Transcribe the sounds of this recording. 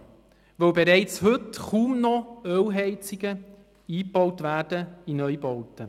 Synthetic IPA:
ʋœwbeɾɛɪt͡shɵtχuːmnɔœwɦɛɪt͡sɪɡə | iːpb̥ɔwtʋæːɾdəinœjbɔwtə

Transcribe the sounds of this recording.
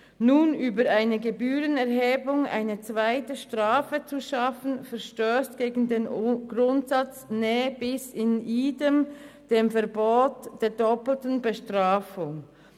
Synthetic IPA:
nuːnyːbəʁʔaɪnəɡebyːʁənɛʁɦeːbʊŋa̰ɪnət͡sv̥aɪtəʃtʁ̥aːfət͡suʃɑfn̩fɛʁʃtøːstɡ̥eːɡn̩deːnɡ̥ʁʊntsɑt͡snɛːəbɪsɪnʔiːdəmd̥eːmfɛɐʁboːtd̥eːɐdɔpl̩tn̩bəʃtʁ̥aːfʊŋ

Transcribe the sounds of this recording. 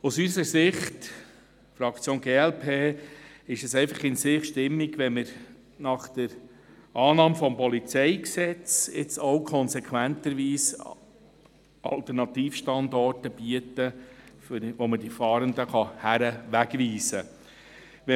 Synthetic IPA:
usysəsɪχt | fɾɑkt͡sjoːnɡeːɛlpʰeːɪʃɛsɛɪfɑχɪnsɪχʃtɪmːiɡʋɛnmɪɾ | nɑχd̥əɾ | ʔɑːnɑːmfɔmpɔlit͡sɛɪksɛt͡sɪt͡sowkʰɔnsɛkʰʋæntəɾʋiːs | ʔɑ̰lt̪ɛɾnɑt̪iːfʃtɑnd̪ɔrtəb̥iətəfʋoməd̥ifɑːɾənd̪əχɑhæɾəʋæɡʋiːsə | ʋɛ

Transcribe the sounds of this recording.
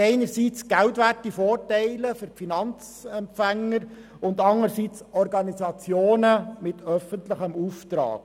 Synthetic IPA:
ɛɪnəɾsit͡sɡ̥æwtʋætifoːɾtɛɪləfʏɾpfinɑnt͡s | ɛmpfæŋːəɾ | ʊnd̪ɑŋəɾsiːt͡sɔɾɡɑnizɑt͡sjoːnəmɪt̪ʰœfəntləχəmuft̪ɾɑ̰ːk̚

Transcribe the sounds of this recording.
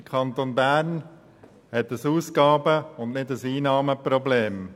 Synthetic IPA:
kʰɑnt̪onbæːɾn | hɛt̪əsuːskɑːbəʊnnɪdəsiːnɑːməpɾɔbleːm

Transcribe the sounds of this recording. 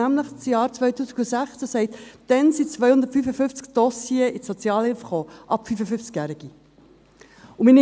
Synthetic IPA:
æmləχt͡sjɑːɾt͡svœʏtuːsɪkusæχt͡səsɛɪt̪d̪̥ɛnsit͡svœʏhʊndəɾtfyːfəfʏnft͡skd̥ɔsieisɔt͡sjɑːlhɪlfχoːʔɑpfyfəfʏft͡skjæːɾɪɡ̥i | ʊmini

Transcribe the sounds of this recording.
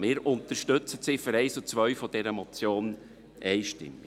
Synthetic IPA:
mɪːɾʊnt̪əɾʃtɵt͡sətsɪːføɾɛɪsut͡sʋœɥfɔd̥ɛɾəmɔt͡sjoːn | ɛɪʃtɪ̰mːi

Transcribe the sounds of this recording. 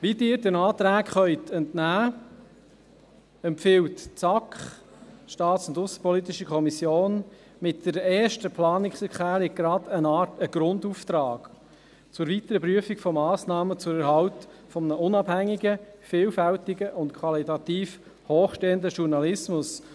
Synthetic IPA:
ʋidɪːɾdənɑːt̪ɾæːkχœʏtʰɛntnæː | ɛmpfɪwtt͡sɑkχ | ʃtɑːtsʊndʊsə̥pʰɔlit̪ɪʃəkχɔmisjoːn | mɪt̚d̥əɾɛːɾʃtəpʰlɑːnɪksəkχæːɾiɡɾɑdənɑːtəɡ̥ɾʊnduft̪ɾɑːɡ̥ | t͡sʊɾʋit̪əɾəpɾyəfikfɔmːɑːsnɑːmət͡sʊɾəɾɦɑltfɔmnəʔʊnɑb̥hæŋːiɡəfɪːlfæltɪɡəʔʊntkʰwɑlitɑt̪iːf | hoːχʃteːəndəʃuɾnɑlɪsmʊs

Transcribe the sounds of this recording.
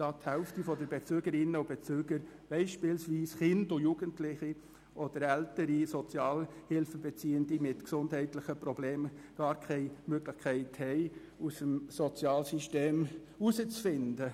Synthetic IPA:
d̥ɑːt̪hɛʊftifɔdəɾbet͡søːɡəɾɪnːəʊb̥et͡søːɡəɾb̥ɛɪʃpɪlsʋiːsχɪndʊjuɡ̥əntlɪχi | ʔɔd̥əɾɛltəɾisɔt͡sjɑːlhɪlfəbet͡siːəndimɪtksʊndhɛɪtlɪχəpɾɔbleːmɡ̥ɑːɾkʰɛɪmøɡlɪχkʰæɪthɛɪ | usəmsɔt͡sjɑːlsyʃteːm | usət͡sfɪndə

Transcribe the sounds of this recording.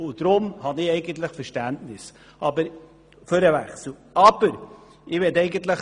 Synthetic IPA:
ʊd̥ɾʊmhɑnɪɛɪɡən̩t̪ləχfəɾʃtæntnɪs | ʔɑbəɾ | føɾəvæ̰χsl̩ | ɑb̥əɾ | ɪʋɛtɛɪɡənt̪ləχ

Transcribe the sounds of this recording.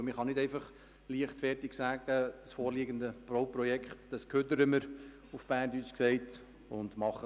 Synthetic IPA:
mɪχɑnɪdɛɪfɑχ | liəχtfɛɾtiɡ̥sæːɡ̥əd̥əsfoːɾliəɡəndəproʊprɔjɛkχtd̥ɑskʰøtəɾəməɾ | ufb̥æːndyːt͡ʃksɛɪt | ʊnd̥mɑχə

